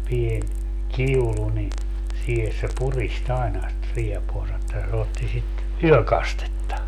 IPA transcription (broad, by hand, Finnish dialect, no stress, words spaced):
pien kiulu ni siːhes se purist ɑenɑ sĭt riepuɑnsɑ etːæ se otːi sit yøkɑstetːɑ